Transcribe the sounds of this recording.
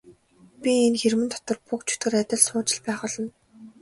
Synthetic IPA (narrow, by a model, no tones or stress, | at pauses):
pʲienxermɘ̆nt̪ʰɔ̥t̪ɞ̆rpukt͡ɕʰɵ̥t̪ɡɘ̆ræt̪ʲɪ̆ɮsʊːt͡ɕɪ̆ɮpæːχʊ̆ɮɞ̆n